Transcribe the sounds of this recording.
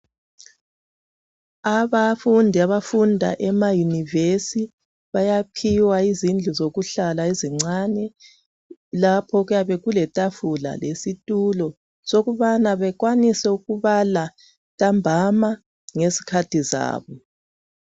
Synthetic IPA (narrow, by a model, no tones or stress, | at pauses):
aβafundʱiaβafundʱa̰ʔɛmajunivesi | βajapʰiwaizind͡ɮʱuzoɣuɬalaiziŋ͡ǀanɛ | lapʰɔɣujaβɛɣulɛtʼafula̰lesitʼulɔ | soɣuβanaβɛɣwanisɛuɣuβala | tʼambʱama | ŋesi̥kʰatʰiza̰ːβɔ